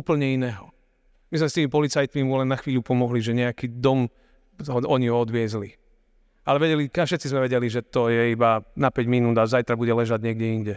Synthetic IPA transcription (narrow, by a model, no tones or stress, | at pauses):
uːpl̩ɲɛinɛːɦɔ | mizmɛst̪iːmipɔlit͡sajt̪mimulɛnːaxʋiːʎupɔmɔɦliʒɛɲɛakiːd̪ɔm | ɦɔɔɲiɦɔɔd̪ʋɪɛzli | alɛʋɛɟɛlikafʃɛt̪t͡sizmɛʋɛɟɛliʒɛt̪ɔjɛibanapɛɟminuːd̪azajt̪ɾabuɟɛlɛʒaɟɲɪɛɡɟɛinɟɛ